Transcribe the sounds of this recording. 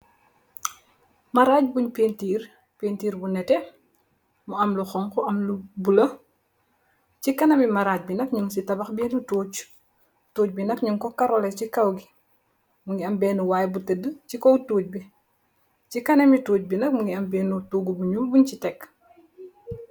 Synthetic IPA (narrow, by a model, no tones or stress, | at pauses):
mɐɾaːc̚buɲpeːntiːr | pentiːɾbunɛtɛ | muɐmluxɔŋkɔɐmlubulɐ | cikɐnɐmimɐɾac̚binɐkɲuŋsitɐbɐxbɛːnutuːt͡ʃ | tuːc̚binɐkɲuŋkɔkaɾɔlɛcikawɡi | muŋiɐmbɛːnuwajbutədət͡ʃikɔwtuːc̚bi | t͡ʃikɐnɐmituːc̚binɐk̚muŋiɐmbɛːnutuɡubuɲubuɲt͡ʃitɛk